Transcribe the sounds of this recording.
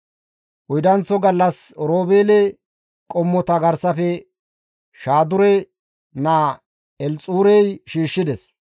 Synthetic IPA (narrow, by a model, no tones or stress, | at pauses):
ʔʊjd̪ɐnt͡sːɔɡɐlːɐsɾoːbeːlɛ | kʼɔmːɔt̪ɐɡɐɾsɐfɛ | ʃaːd̪ʊɾɛ | naː | ɛlt͡sʼuːɾɛjʃiːʃːɪd̪ɛs